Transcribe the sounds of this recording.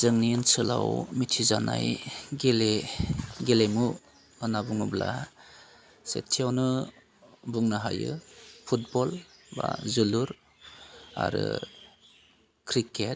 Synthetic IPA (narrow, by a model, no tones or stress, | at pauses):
z̥ɯŋninsɯlawmitʰizanajɡele | ɡelemu | ɯnabuŋubla | sḛtʰːijawnɯ | buŋnɯɦajɯpʰut̚bɔlbazuluɾ | a̰ɾɯ | kʰɾiket̚